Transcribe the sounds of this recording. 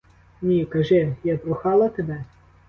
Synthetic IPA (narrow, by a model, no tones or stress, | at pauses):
nʲikɐʒɪjad̪ɾʊxɑlˠɐt̪ebɛ